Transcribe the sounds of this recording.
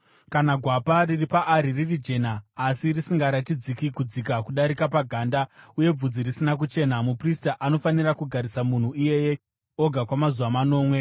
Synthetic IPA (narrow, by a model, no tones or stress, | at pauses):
kanaɡʱwapariripaʔːɾiririd͡ʒe̞naːsirisiŋɡaɾatid͡zikikud͡zikakuɗaɾikapaɡʱaːndauje̞b͡vud͡zirisinak̬ut͡ʃe̞ːnamupristaʔano̞fanirakuɡʱaɾisamun̤uije̞je̞ | o̞ɡʱakwamazuʋamano̞ːmwe̞